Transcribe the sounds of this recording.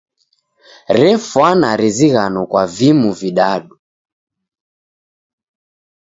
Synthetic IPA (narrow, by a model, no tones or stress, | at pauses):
ɾɛfwanaɾiziɣanɔkwavimuviɗaɗu